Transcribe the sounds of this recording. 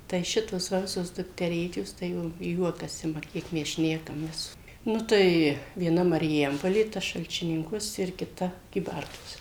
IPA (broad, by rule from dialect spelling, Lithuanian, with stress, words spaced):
tɐɪ ˈʃʲɪtoːs ˈʋɐ ˈʋʲɪsoːs dʊktʲɛˈrʲeːt͡ʃʲoːs tɐɪ jɛʊ ˈjuɔkɐs ˈɪmɐ ˈkʲiɛk mʲɛs ˈʃʲnʲæːkɐmʲeːs ˈnʊ tɐɪ ʋʲiɛˈnɐ mɐrʲɪˈjɛmpoːlʲeː ˈtɐ ʃɐlʲt͡ʃʲɪˈnʲɪŋkuɔs ɪr kʲɪˈtɐ kʲiːˈbɐrtuɔs